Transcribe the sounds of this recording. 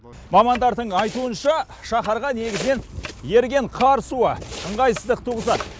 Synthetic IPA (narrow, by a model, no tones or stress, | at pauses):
mɑmɑnd̪ɑɾd̪əɴɑjt̪uənʃɑ | ʃɑχɑɾʁɑne̞ɡʲɪzɪne̞nje̞ɾɡʲe̞ɴqʰɑɾsuəəɴʁɑjsəzd̪əq̚t̪ʰuʁəzɑd̪